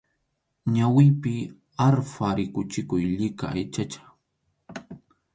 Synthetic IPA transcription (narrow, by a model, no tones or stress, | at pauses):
ɲawɪjpɪ | aɾfaɾɪkʊt͡ʃɪkʊjʎɪka̰ajt͡ʃat͡ʃḁ